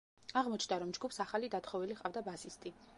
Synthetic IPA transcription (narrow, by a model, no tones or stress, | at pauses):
aʁmɔt͡ʃʰnd̪aɾɔmd͡ʒɡupʰsaχalid̪at̪χɔviliχʼavd̪abasist̪ʼi